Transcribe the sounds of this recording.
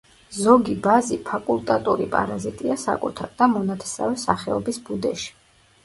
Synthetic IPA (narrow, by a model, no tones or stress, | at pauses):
zɔɡibazipʰakʼulˠt̪ʼat̪ʼuɾipʼa̰ɾazit̪ʼiasa̰kʼṵt̪ʰaɾd̪amɔnat̪ʰɛ̥sa̰vɛsaχɛɔbisbud̪ɛʃi̥